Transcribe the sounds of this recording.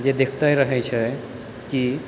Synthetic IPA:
d͡ʒed̪ekʰt̪ajɾəɦɛt͡ʃʰɛ | ki

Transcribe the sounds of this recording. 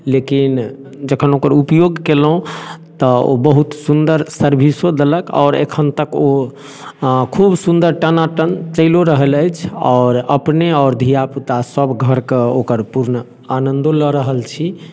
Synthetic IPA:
lekin | d͡ʒəkʰənokəɾupjoɡkelɦũt̪ɔo̰bəɦut̪sund̪əɾsəɾbʱisod̪eləkɔ̰ːɾḛkʰənt̪əko | kʰubsund̪əɾʈənaʈənt͡ʃəɪloɾəɦələjt͡ʃʰɔːɾəpneɔːɾd̪ʱijaput̪asəbɡʱəɾkeokəɾpuɾnə | anənd̪oləɾəɦəlt͡ʃʰi

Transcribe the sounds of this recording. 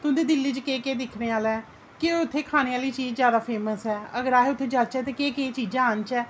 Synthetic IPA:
t̪ʊ̃nd̪eːd̪ɪlːiːt͡ʃkeːkeːd̪ɪkʰneːaːlɛː | keʊt̪ʰːeːkʰaːneːaːliːt͡ʃiːd͡ʒzjaːd̪aːpʰeːməsɛːəɡəɾaːɦeːʊt̪ʰːeːd͡ʒaːt͡ʃɛːt̪eːkeːkeːt͡ʃiːd͡ʒãːənt͡ʃɛː

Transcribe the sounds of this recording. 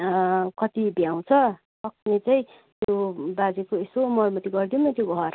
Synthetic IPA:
kʌt̪ibjaw̃t͡sʰʌ | sʌk̚net͡saĩ | t̪jobad͡zekoesomʌrmʌt̪iɡʌrd̪ijonʌt̪joɡʱʌr

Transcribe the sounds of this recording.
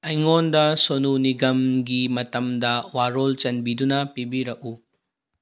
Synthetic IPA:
ɐjŋondɐsonuniɡɐmɡimɐtɐmdɐwaɾolt͡ʃɐnbidunɐpibiɾɐk̚u

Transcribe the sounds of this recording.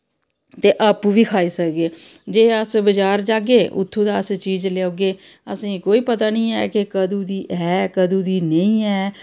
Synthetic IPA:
t̪eːʔəpʋiːkʰaːiːsəkɡeːd͡ʒeːəsbəd͡ʒaːɾd͡ʒaːɡeːʔʊ̰t̪ʰːũːd̪aːəst͡ʃiːd͡ʒleoːɡeː | ə̰sĩːkoːiːpət̪aːnĩːɛ̰ːkɪkəd̪ũːd̪iːɛːkəd̪ũːd̪iːnəĩːɛː

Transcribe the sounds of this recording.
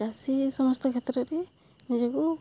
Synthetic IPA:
asisɔmɔst̪ʰɔkʰɛt̪ɾɔɾɛ | nid͡ʒaɡɔ

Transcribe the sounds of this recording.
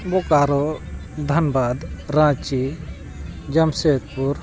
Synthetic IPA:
bɔkaɾɔd̪ʱɐnbad̪ɾãt͡ʃi | d͡ʒəmset̪̚puɾ

